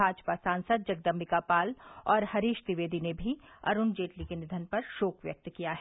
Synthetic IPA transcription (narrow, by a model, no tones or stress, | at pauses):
aːd͡ʒpasãːnsəd̪̚d͡ʒɐɡ̚d̪əmːɪkapaːlɔːɾhɐɾiːʃt̪ɪʋeːd̪inebʱiɐ̰ɾʊnd͡ʒeːʈlikenɪd̪ʱənpɐɾʃoːkʋjɐ̰k̚t̪kijaɦɛ